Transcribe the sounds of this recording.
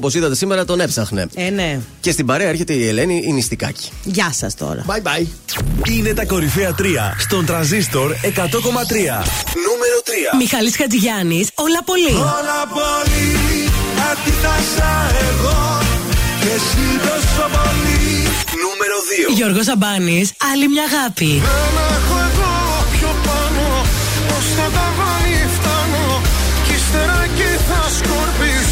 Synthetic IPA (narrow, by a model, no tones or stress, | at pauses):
po̞siðɐt̪e̞sime̞ɾɐt̪o̞ne̞psɐxne̞̰enece̞st̪ibɐɾeɐeɾçe̞t̪e̞iele̞niinist̪ikɐ̰ci̥ʝɐsɐ̰st̪o̰ɾɐ̰bajbɐjiine̞t̪ɐko̞ɾifiɐt̪ɾiɐ̰st̪o̞nt̪ɾɐnzist̪o̞ɾe̞kɐt̪o̞ko̞mɐt̪ɾiɐ̰numeɾot̪ɾiɐmixɐliskɐt͡siʝɐnisolɐpo̞liolɐpoli | ɐt̪it̪ɐsɐeɣo | esiðɐstɐvɐli | numeɾoðioʝo̞ɾɣo̞zɐbɐnisɐlimɲɐːɣɐpiðenɛxoeɣo | pçopɐno | ost̪ɐt̪ɐvɐiift̪ɐno | cist̪eɾɐciθɐskoɾpi